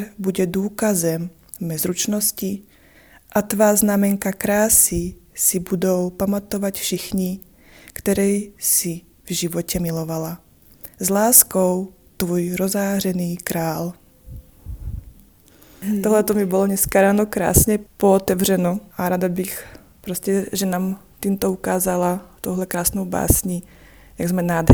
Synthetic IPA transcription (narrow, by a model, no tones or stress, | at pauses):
buɟɛd̪uːkazɛm | mɛzɾut͡ʃnɔsci | ʔat̪ʋaːznamɛŋkakɾaːsisibud̪oʊpamat̪ɔʋacfʃixɲi | kt̪ɛɾɛjsi | vʒiʋɔcɛmilɔʋala | zlaːskɔʊ | t̪vɔjɾozaːr̝ɛniːkɾaːl | t̪oɦlɛt̪ɔmibɔlɔɲɛskaɾaːnokɾa̰ːsɲɛpɔːt̪ɛvr̝ɛnoʔaɾad̪abix | pɾoscɛʒɛnaːmt̪iːmt̪ɔukaːzalat̪owɦlɛkɾaːsnowba̰ːsɲiː | jaɡzmɛnaːd̪